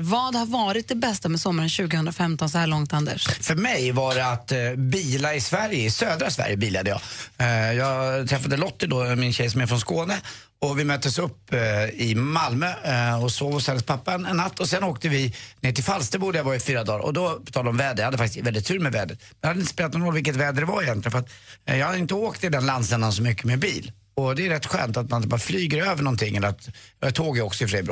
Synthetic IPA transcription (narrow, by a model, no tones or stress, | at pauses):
vɑːd̪haɾvɑːɾɪt̪̚d̪ɛbɛst̪amɛsɔmːaɾənɕʉ̟ːɡəhɵnd̪ɾafɛmt̪ɔnsɔhæːɭɔŋt̪and̪ɛ̰ʂfœɾmɛjvɑɖɛat̪biːlaɪsvæɾjəɪsøːd̪ɾasvæ̰ɾjəbiːlad̪əjɑ̰ː | jɑːɡt̪ʰɾɛfːad̪əlɔt̪ːɪd̪ɔmɪnɕɛjsɔmɛɾfɾɔnskoːnə | ɔvɪmœt̪ːəsɵpːɪmalmøːɔsoːvɔsɛləspʰapːaɛnɛnːat̪ːɔsɛnoːkt̪əvɪneːʈɪlfalst̪ɛbuːɖəjavɑːɪfyːɾad̪ɑːɾʔɔ̰d̪ɔpʰɔt̪ʰɑːlɔmvɛːd̪əjahad̪əfakt̪ɪ̥svɛlɪt̪ʰːʉ̟ːɾmɛvɛːd̪ɾət̪ɛnhad̪əɪnəspeːlat̪nɔnɾɔlvɪlkːət̪vɛːd̪əɖɛvaɾɪjɛnt̪lɪɡənfəɾat̪jɑhad̪əɪnt̪əoːkt̪ʰɪld̪ɛnlansɛnd̪ansɔmʏkːəmebḭːl | ɔd̪ɛːɾɛt̪ːɧø̰ːnt̪at̪̚manɪt̪bɑːɾflyːɡəɾøːvəɳɔnt̪ʰɪŋːɛlːəɾat̪t̪ʰoːɡjəɔksɔɪfɾeːbɾ